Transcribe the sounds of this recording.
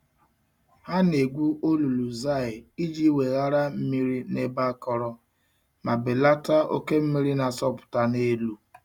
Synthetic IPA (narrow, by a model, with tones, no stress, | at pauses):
ha˦ne˨ɡʷu˦ʔo˦lu˨lu˨za˦˨ɪ˨i˦d͡ʒi˦we˨ɣa˦ɾa˦m̩˦mi˦ɾi˦ne˦ba˦kɔ˦ɾɔ˦ | ma˨bɪ˨la˦ta˦o̰˦ke˦m̩˦mi˦ɾi˦na˨sɔ˦pʊ̥˨ta˨ne˦lu˦